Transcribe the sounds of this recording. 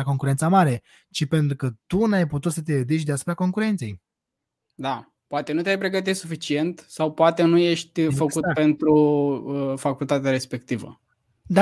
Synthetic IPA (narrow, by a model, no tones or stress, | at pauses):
ako̞ŋkuɾent̪samaɾe̞ | t͡ʃipe̞nt̪ɾukət̪unajput̪ut̪sət̪̬eved̪iʃ̬ʲd̪easu̥pɾako̞ŋkuɾe̞nt̪se̞j | d̪a | poat̪e̞nut̪eajpɾe̞ɡət̪̬isufit͡ʃie̞nt̪sawpoat̪e̞nuje̞ʃt̪ʲfəkut̪pe̞nt̪ɾuəfakult̪at̪eaɾe̞spe̞k̚t̪ivə̰ | d̪a